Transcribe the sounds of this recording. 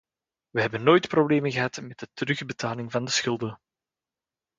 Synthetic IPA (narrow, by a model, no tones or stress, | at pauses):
ʋəɦɛbənːoːjtprobleːmənɣəɦɑtmɛt̚dətəɾɵxbətaːlɪŋvɑndəsxʏlˠdə